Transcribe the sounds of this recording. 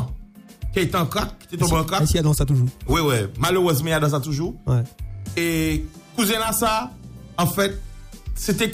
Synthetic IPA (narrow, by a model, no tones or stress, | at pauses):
keet̪eãkak̚kːi̥t̪et̪̬ɔ̃beɑ̃kaisiad̪ãsat̪uʒuʁwiwɛmaløʁəzmɑ̃ad̪ãs̬at̪uʒuwɛekuzɛ̃lasaɑ̃fɛt̪̚set̪ɛ